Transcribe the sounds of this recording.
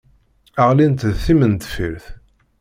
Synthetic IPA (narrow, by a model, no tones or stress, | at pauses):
əʁlint̪ðθimənt̪fiɾθ